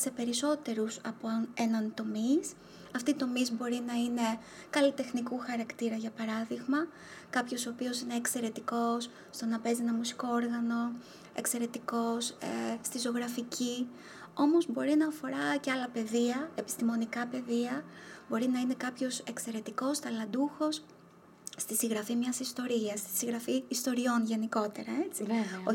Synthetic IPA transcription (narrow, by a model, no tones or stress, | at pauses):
se̞pe̞ɾiso̞t̪e̞ɾusɐponenɐnt̪o̞mis | ɐft̪iːt̪o̞mizbo̞ɾinɐine̞ | kɐlit̪e̞xnikuxɐɾɐkt̪iɾɐʝɐpɐɾɐðiɣmɐ | kɐpço̞so̞ːpio̞sine̞ːkse̞ɾe̞t̪iko̞s | st̪o̞nɐpe̞zienɐmusi̥ko̞oɾɣɐno̞ | e̞̰kse̞ɾe̞t̪iko̞sest̪izo̞ɣɾɐficʰi | o̞mo̞zbo̞ɾinɐːfo̞ɾɐceɐlɐpe̞ðiɐepi̥st̪imo̞nikɐpe̞ðiɐbo̞ɾinɐine̞kɐpço̞se̞kse̞ɾe̞t̪iko̞st̪ɐlɐd̪uxo̞sː | t̪isiɣɾɐfimɲɐsist̪o̞ɾiɐst̪i̥siŋɣɾɐfiːst̪o̞ɾio̞nʝe̞niko̞t̪e̞ɾɐe̞t͡sio